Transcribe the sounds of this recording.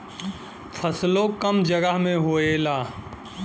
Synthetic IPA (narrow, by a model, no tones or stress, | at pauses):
fʰɐslokəmd͡ʒɐɡəɦmẽɦoːeːlaː